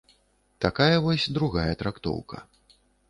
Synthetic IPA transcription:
t̪akajɐvɔsʲd̪ɾuɣajɐt̪ɾakt̪ɔ̰wkɐ̰

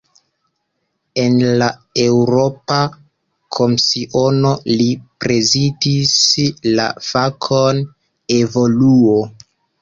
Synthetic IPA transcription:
e̞nlae̞wɾo̞pa | kʰo̞msiʔo̞no̞lipɾe̞zidisla̰fakʰon | e̞vo̞luo

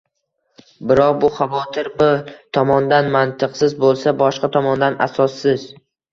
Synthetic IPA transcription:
bɪɾɒq̚bʊχavɒt̪ʰɪɾbɪt̪ʰɒmɒnd̪anmant̪ʰɨqsɪzbolˠsabɒʃqɑt̪ʰɒmɒnd̪ana̰sɒsːɪz

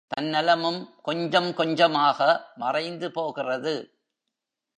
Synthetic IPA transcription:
t̪ɐnːɛlɐmɯmkɔɲd͡ʒɐmkɔɲd͡ʒɐmaːɣɐmɐrɐɪnd̪ɯpoːɣɪrɐðɯ

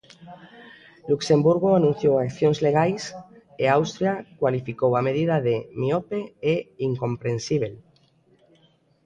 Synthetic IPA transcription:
lukse̞mbuɾɣoanũn̟θjowakθjonzle̞ɣ̞ajs | eawst̪ɾjakwalifikowameðiðaðemiopeeiŋkõ̞mpɾensiβ̞el

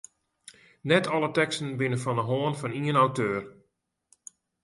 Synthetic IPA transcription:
nɛtʰɔlətɛkstən̩bɪnəfɔndəɦoənfɑniənawtøːr

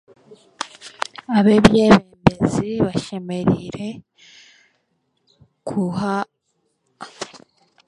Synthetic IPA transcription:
aβebjeβeːmbeziβaʃe̞me̞ɾiɾe̞ | kʰuɦa

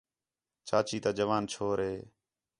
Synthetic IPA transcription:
t͡ʃaːt͡ʃiːt̪aːd͡ʒəʋaːnt͡ʃʰoːɾɦeː

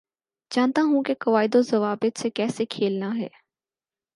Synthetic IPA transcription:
d͡ʒaːnt̪aɦũkekɐʋaːɪd̪ozɐʋaːbət̪sekɛːsekʰeːlnaɦɛ̰ː

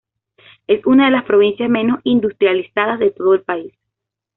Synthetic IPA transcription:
e̞sunaðe̞laspɾo̞β̞insjasmẽ̞no̞sind̪ust̪ɾjalisaðazðe̞t̪o̞ðoelpais

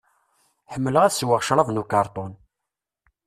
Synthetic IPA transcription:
ħəmːələʁæswəʁʃɾˤɑðˤnukɑɾˤt̪ˤɔn

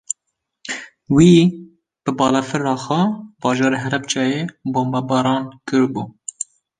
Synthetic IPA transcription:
wiː | b̥ɨbɑːlɛfɨɾɑːxʷɛbɑːʒɑːɾeɦɛɾɛp̚t͡ʃɑːjeːboːmbɑbɑːɾɑːnkɨɾbuː

